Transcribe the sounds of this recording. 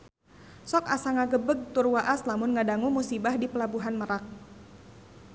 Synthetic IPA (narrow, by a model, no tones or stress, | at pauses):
sɔkasaŋaɡəbəɡ̚t̪ʊrwaʔaslamʊnŋadaŋumusibahdipəlabuɦanməɾak̚